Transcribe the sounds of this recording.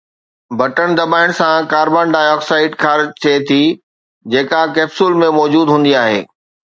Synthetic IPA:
bɐʈəɽ̃d̪ɐbaːɪɽ̃sãkaːɾbaːnɖaːjɔːksaːɪʈkʰaːɾt͡ɕʰet̪ʰi | d͡ʑeːkakeːbsuːlmẽmɔːd͡ʑuːd̪ɦũːn̆d̪iaːɦḛː

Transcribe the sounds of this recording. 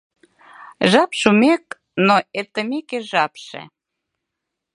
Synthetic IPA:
ʒɑpʃumek̚ | noet̪əmekeʒɑpʃḛ

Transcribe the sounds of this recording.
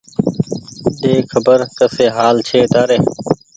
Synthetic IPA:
d̪eːkʰɐbəɾt̪ɐseːɦaːlt͡ɕʰeːd̪aːɾeː

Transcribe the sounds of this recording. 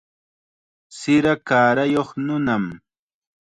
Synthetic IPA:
sɪɾakaːɾajoχnʊnam

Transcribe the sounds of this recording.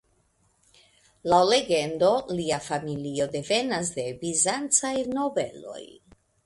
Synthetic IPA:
lawle̞ɡe̞ndo̞liafamilio̞de̞ve̞nas̬de̞bizant͡sajno̞be̞̰lo̞̰j

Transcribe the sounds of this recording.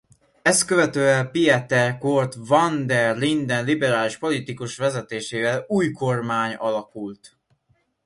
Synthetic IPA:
ɛskøvɛt̪øːɛlpiɛt̪ɛrkort̪vɒnd̪ɛrlind̪ɛnlibɛɾaːliʃpo̞lit̪ikuʃʋɛzɛt̪eːʃeːvɛluːjko̞rmaːɲɒlɒkult̪

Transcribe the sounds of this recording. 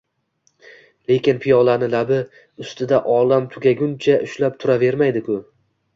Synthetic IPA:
le̞kʲɪnpʰɪjɒlˠanɪlabɪ | ʊst̪ʰɪd̪aʔɒlamt̪ʰʊɡʲaɡʲʊnt͡ʃʰaʔʊʃlap̚t̪ʰʊɾave̞ɾmajd̪ɪkʰʊ

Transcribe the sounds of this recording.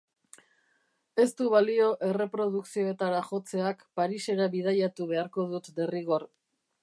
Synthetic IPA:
e̞st̪uβalio̞ʔe̞re̞pɾo̞ð̞uksio̞e̞t̪aɾaʝo̞t͡se̞akpaɾise̞ɾaβið̞ajat̪uβe̞aɾko̞ðut̪d̪e̞riɣ̞o̞r

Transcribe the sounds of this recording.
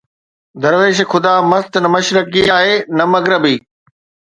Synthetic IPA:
d̪ɐɾʋeːʃ̬xʰʊd̪aːmɐst̪nɐmɐʃɾəkːiaːɦeːnɐmɐɡɾɪbiː

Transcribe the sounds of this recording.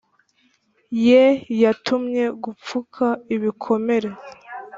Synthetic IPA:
jejatumɲe̞ɡup͡fukʰaiβikʰo̞me̞ɾe̞

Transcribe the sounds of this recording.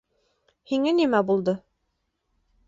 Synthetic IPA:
hiŋænimæbulˠd̪ɤ

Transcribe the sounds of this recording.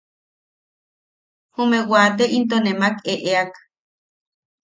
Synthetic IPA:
humewaːt̪̬eʔint̪̬onemakeʔeak

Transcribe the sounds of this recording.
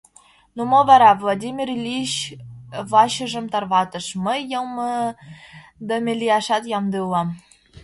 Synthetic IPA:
numŏvɑɾɑvlˠad̪ʲimʲirlʲiɕ | βɑɕə̆ʒə̆mt̪ɑrβɑt̪ɤ̆ʃməjːɤmɤ | d̪omʲelʲijɑʃɑt̪jɑmd̪ɯlːɑm

